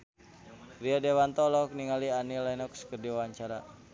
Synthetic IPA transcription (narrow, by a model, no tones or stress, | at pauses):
ɾiadewant̪ɔlɔk̚niŋalianilainɔkskərdiwaɲt͡ʃaɾa